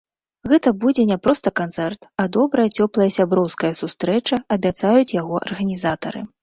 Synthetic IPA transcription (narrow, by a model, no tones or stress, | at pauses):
ɣɛt̪ɐbud͡zʲɛnʲɛpɾɔst̪ɐkant̪sɛrt̪ɐd̪ɔbɾɐjɐt͡sʲɔplˠɐjɐsʲabɾɔwskɐjɐsust̪ɾɛt͡ʂɐɐbʲat̪sajut͡sʲjaɣɔʔɐ̰rɣɐnʲizat̪ɐɾɨ̰